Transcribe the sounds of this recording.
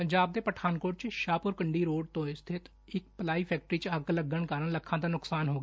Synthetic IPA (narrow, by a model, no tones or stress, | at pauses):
pəɲd͡ʒaːb̚d̪eːpəʈʰaːnkoːʈt͡ʃʃaːpʊɾkəɳɖiːɾoːɖ̚t̪õːɪst̪ʰɪt̪ | ɪk̚pəlaːiːpʰɛːk̚ʈɾiːt͡ʃəɡləɡːəɳkaːɾəɳləkʰːãːt̪aːnʊksaːnɦoːɡeː